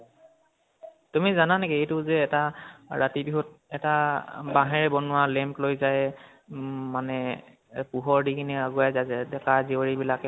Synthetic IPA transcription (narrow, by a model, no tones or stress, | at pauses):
tumizananɛkɛejtʊzɛːtaɹatibiɦɔt̚ɛtabaɦɛɹɛbɔnʊwalɛmplojzajɛ | manɛ | puɦɔɹdikiniaɡuajzaɛdɛkazioɹibilakɛ